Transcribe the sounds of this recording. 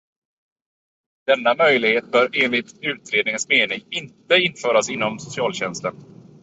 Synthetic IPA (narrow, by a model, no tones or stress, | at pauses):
d̪̥ɛnːamœjlɪɡheːt̪̚bœːɾeːnlɪt̪ʉ̟ːt̪ɾeːd̪nɪŋənsmeːnɪŋɪnt̪əɪnfœːɾasɪnːɔmsʊsɪɑːlɕɛnst̪ən